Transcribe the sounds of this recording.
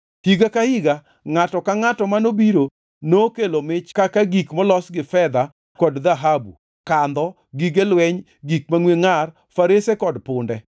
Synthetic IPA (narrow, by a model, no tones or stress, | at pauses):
hiɡakahiɡa | ŋatɔkaŋatɔmanobiɾo | nokelomɪt͡ʃkakaɡikmɔlɔsɡɪfɛd̪a | kɔdd̪aɦabṵ | kand̪ɔ | ɡiɡelwɛɲ | ɡik̚maŋweŋar | faɾesekɔdpʊndɛ